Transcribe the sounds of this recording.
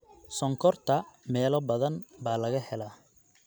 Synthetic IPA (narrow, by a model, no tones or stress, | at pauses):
sɔŋkʰɔrt̪ʰɐmɛːlɔbɐðɐnbaːlɐɣɐhɛlaː